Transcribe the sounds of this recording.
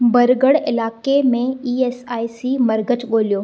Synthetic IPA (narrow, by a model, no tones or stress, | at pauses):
bɐɾɡəɽɪlaːkemẽiːeːsaːisimɐɾɡət͡ʃɠoːlijoː